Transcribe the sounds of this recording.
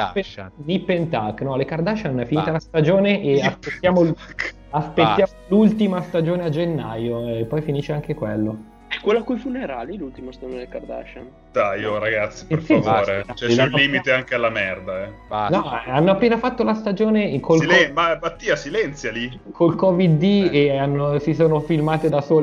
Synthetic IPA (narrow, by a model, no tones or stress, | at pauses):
penipːent̪akːnɔlekard̪at͡ʃanːɛfinit̪alast̪ad͡ʒoːneʔeaspet̪ːjaːmok | aspet̪ːjaːmoolult̪imast̪ad͡ʒoːnead͡ʒenːajoepːɔjfiniːʃeaŋk̟ekwelːo | ɛkwelːakujfuneɾaːlilult̪imast̪ad͡ʒoneeekard̪a̰t͡ʃan | t̪ajoɾaɡat̪sːi̥peɾsivoɾeat͡ʃɛlːiːmit̪eaŋkealːamɛrd̪aɛ | nɔanːoapːeːnafat̪ːolast̪ad͡ʒoːnekʰolilɛmabat̪ːiːasilɛnt̪sjali | kʰolkɔvid̪ːieanːosisoːnofilmaːt̪ed̪asoːl